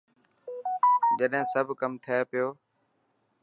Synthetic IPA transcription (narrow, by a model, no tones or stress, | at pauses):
d͡ʒəɗɦɪ̃ːsəbʱkəmt̪ʰɪjepɪjoː